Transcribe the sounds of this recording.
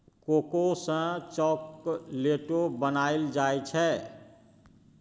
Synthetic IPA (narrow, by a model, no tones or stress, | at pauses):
kokosə̃t͡ʃɔkleʈobənaild͡ʒajt͡ʃʰɛ